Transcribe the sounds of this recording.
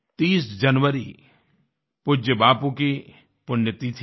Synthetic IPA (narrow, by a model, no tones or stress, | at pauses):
t̪iːsd͡ʒɐnʋəɾi | pʊd͡ʒəbaːpũki | pʊnjət̪it̪ʰ